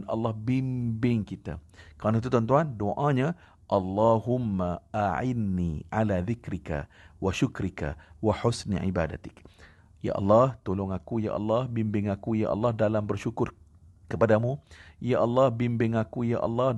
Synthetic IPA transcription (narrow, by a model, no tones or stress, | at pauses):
nɑ̰lːɑhbimbɪŋkit̪a̰kəɾanait̪̬ut̪ɔnt̪uandoʔãɲa | ʔɑlːɑɦʊmːaaʕɪnːiʕalaðɪkɾika̰waʃʊkɾika̰waħʊsn̰ʕḭba̰da̰t̪ɪ̥k | ja̰ʔɑ̰lːɑht̪olʊŋakuja̰ʔɑ̰lːɑhbimbɪŋakuja̰ʔɑ̰lːɑhdalambərʃukʊr | kəpadamũjaʔɑlːɑhbimbɪŋakuja̰ʔɑ̰lːɑh